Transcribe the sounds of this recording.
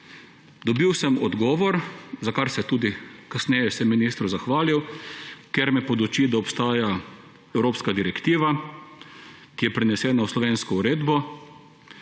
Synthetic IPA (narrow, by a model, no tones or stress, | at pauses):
d̪ɔbiwsɛmɔd̪ɡɔːʋɔɾzakaɾsɛt̪uːd̪ikasnɛːjɛsɛminiːst̪ɾuzaxʋaːliwkeɾmɛpɔd̪ɔt͡ʃiːd̪aɔpst̪aːja | ɛwɾoːpskad̪iɾɛkt̪iːʋa | kijɛpɾɛnɛsɛːnawslɔʋeːnskɔuɾeːd̪bɔ